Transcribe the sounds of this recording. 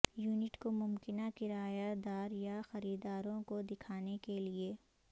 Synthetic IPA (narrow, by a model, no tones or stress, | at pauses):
juːnɪʈkomʊmkɪnakɪɾaːjad̪aːɾjaxɐɾiːd̪aːɾõkod̪ɪkʰaːnekelieː